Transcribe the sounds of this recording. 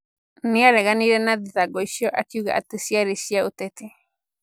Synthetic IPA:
nĩaɾeɡanĩɾenãd̪iðaɡoiʃioʔakjuɡaʔa̰t̪ɨsiaɾisiaut̪et̪i

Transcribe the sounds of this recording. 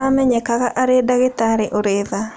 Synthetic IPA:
amɛɲɛkakaʔaɾedaɣɪt̪aɾɪʔoɾeða

